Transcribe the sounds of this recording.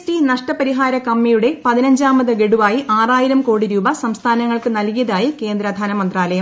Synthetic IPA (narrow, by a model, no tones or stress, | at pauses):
stinɐʂʈɐpɐɾiɦaːɾɐkɐmːijuɽe̞pɐðinɐɲd͡ʑaːmɐðɨɡe̞ɽuʋaːjiʔaːraːjiɾɐmko̞ːɽiɾuːbɐsɐmst̪ʰaːnɐŋːɐɭkɨnɐlkijɐðaːjike̞ːnd̪ɾɐd̪ʱaːnɐmɐnd̪raːlɐjɐm